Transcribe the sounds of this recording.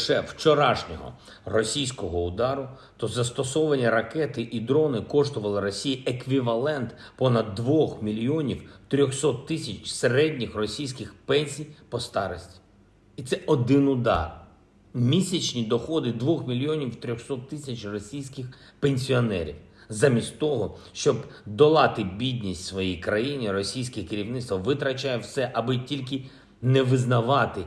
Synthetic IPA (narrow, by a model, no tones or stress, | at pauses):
ʃɛwt͡ʃɔɾɑʃnʲɔ̰ɦɔ̰ | rɔsʲijsʲkɔɦɔʊd̪ɑɾʊ | t̪ɔzɐst̪ɔsɔʋɐnʲiɾɐkɛt̪ɪʔid̪ɾɔnɪkɔʃt̪ʊʋɐlˠɪɾɔsʲijiekʋʲiʋɐlˠɛnt̪pɔnɐd̪ːʋɔxmʲilʲjiɔnʲiwt̪ɾʲɔxsɔt̪ːɪsʲɐt͡ʃseɾɛdʲnʲixrɔsʲijsʲkɪxpɛnʲsʲijpɔst̪ɑɾɔsʲtʲi̥ | it̪sɛʔɔd̪ɪnʊd̪ɑ̰r | mʲisʲɐt͡ʃnʲid̪ɔxɔd̪ɪd̪ʋɔxmʲilʲiɔnʲiwt̪ɾʲɔxsɔt̪ːɪsʲɐt͡ʃrɔsʲijsʲkɪx | penʲsʲiɔnɛ̰ɾʲḭw | zamʲisʲtʲt̪ɔɦɔʃt͡ʃɔbd̪ɔlˠɑt̪ɪbʲid̪ʲnʲisʲtʲsʋɔjijkɾɐjinʲirɔsʲijsʲkɪkɪɾʲiwnɪt̪t̪ʋɐʋɪt̪ɾɐt͡ʃajɛwsɛʔɐbɪtʲilʲk̬ɪ | nɛʋɪznɐʋɑt̪ɪ